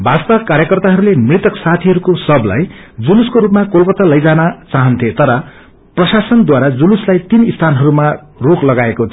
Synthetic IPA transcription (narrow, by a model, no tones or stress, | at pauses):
bʱast̪ʌkaɾjʌkʌrt̪aɦʌɾulemrit̪ʌksat̪ʰiɦʌɾukosʌbla̰jd͡zuluskoɾupmakolkʌt̪alʌjd͡zanʌt͡saɦʌnt̪ʰet̪ʌɾʌ | prʌsasʌnd̪waɾad͡zuluslajt̪inist̪ʰanɦʌɾuma | roklʌɡaekot̪ʰ